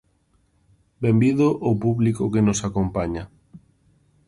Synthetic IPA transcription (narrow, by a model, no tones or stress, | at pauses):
bembiðʊʔopuβlikʊkenʊsakompaɲɐ